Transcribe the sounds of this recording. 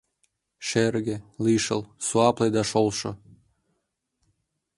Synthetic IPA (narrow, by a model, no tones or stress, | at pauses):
ʃerɡeliʃə̰lsuɑpled̪ɑʃolʃŏ